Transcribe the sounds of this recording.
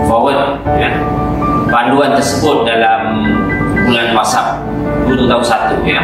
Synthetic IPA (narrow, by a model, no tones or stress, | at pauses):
fɔwət̪ | kan | panduant̪ərsəbʊt̪̚dalam | bulanmasap̚ | dut̪ut̪aɦunsat̪uja